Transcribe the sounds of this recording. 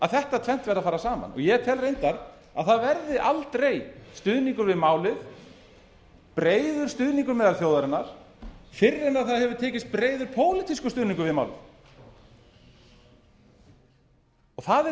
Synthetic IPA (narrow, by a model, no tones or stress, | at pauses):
aðθɛht̪at̪ʰvɛn̥t̪vɛɾðafaːɾasaːma̰nɔ̰ɣjɛt̪ʰɛːlrejnt̪aɾ | a̰ðθaðvɛɾðɪʔalt̪ɾejst̪ʏðniŋkʏɾvɪðmaːwlɪθ | pɾeːjðʏɾ̥st̪ʏðniŋkʏɾmɛːðalθjoːwðaɾɪnːaɾ̥ | fɪrːɪnaðθaðhɛvʏɾt̪ʰɛːcɪst̪̚pɾeːjðʏɾpʰoːwlɪt̪iskʏst̪ʏðniŋkʏɾvɪðma̰ːwlɪ̰̥ | ɔɣθaðɛ